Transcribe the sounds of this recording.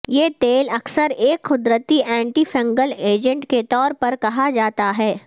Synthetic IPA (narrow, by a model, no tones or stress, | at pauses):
jeːt̪eːlɐksəɾeːkxʊd̪ɾət̪iʔɛ̃ːɳʈifɐ̃ŋɡəleːd͡ʒə̃ɳʈket̪ɔːɾpɐɾkɐɦad͡ʒaːt̪aɦɛː